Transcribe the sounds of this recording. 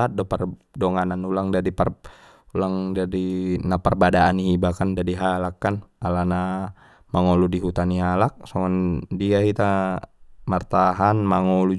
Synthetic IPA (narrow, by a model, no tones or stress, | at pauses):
at̪̚dɔpardɔŋananulaŋdadipar | ulaŋdadinaparbadaːniɦibakandadiɦalakːanalana | maŋɔludiɦut̪anialak̚sɔŋandiɡasit̪a | mart̪aɦanmaŋɔlu